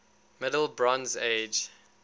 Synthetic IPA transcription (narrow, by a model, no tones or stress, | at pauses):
mɪdəl̩ˠbɹɔ̃nzed͡ʒ